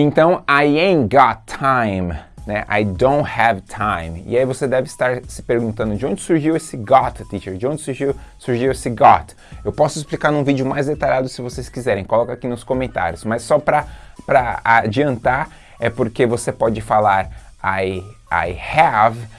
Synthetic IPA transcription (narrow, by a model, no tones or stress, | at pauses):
ẽnt̪ɐ̃w̃ajẽɡɔtʰːãj̃mnɛʔa̰jd̪õw̃t̪hɛvt̪ʰãj̃mɪ̰aivosed̪ɛvɪst̪aɾsɪ̥peɾɡũt̪ɐ̃nd̪ʊd͡ʒɪõd͡ʒɪsuɾʒiwesɪɡɔt̪t̪iʃeɾd͡ʒɪõnd͡ʒɪsuɾʒiwsuɾʒiwesɪɡɔt̪ | ewpɔsʊisplikaɾnũvid͡ʒʊmajzd̪et̪aʎad̪ʊsɪvosejskizɛɾẽj̃kolɔkɐakinʊskõmẽnt̪a̰ɾjʊsmɐsːɔpɾɐpɾɐad͡ʒiɐ̃nt̪aɾ | ɛpoɾkevosepɔd͡ʒɪfalaɾ | aja̰jhɛv